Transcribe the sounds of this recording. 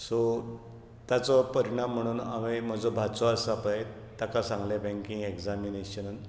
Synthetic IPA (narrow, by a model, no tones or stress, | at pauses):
so | t̪jat͡sɔpəɾiɽ̃am̤ːəɽ̃uːna̰mim̤əd͡zobʱat͡sɔəsapae | t̪akasãŋɡlebʱɛ̃ŋkiŋɡekd͡zamineɕənn